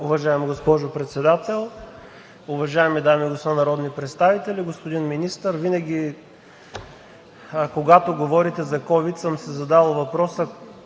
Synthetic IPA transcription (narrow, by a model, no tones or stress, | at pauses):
ʊvɐʒaɛmɡospɔʒʊpɾɛt̪sɛd̪at̪ɛlˠ | ʊvɐʒaɛmid̪amiɡospnɐɾɔd̪nipɾɛt̪st̪avit̪ɛlʲiɡospod̪inminist̪əɾvinɐɡʲi | koɡat̪oɡovɔɾit̪ɛzɐkɔvit̪səmsɛzɐd̪alˠvɐpɾɔsə